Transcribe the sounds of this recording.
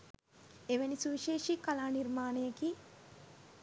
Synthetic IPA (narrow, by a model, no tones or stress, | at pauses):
eʋenisuʋiʃeːʃikalaːnirmaːnəjəki